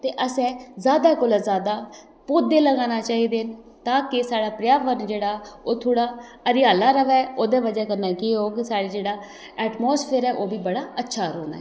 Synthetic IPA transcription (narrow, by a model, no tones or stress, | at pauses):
t̪eːʔəsɛ̃ːzjaːd̪aːkolaːzaːd̪aː | poːd̪eːləɡãːnaːt͡ʃaːɦiːd̪eːn | t̪ãːkɪsaːɽaːpɾɪjaːʋəɾnd͡ʒeːɽaːoːt̪ʰoːɽaːəɾɪjaːlaːɾəʋɛːʔoːd̪ɛ̃ːʋəd͡ʒaːkəɾnaːkɪoːɡsaːɽiːd͡ʒeːɽaː | ɛːʈmoːspʰeːɾɛːʔoːbiːbəɽaːətːʃʰaːɾoːna̰ːɛː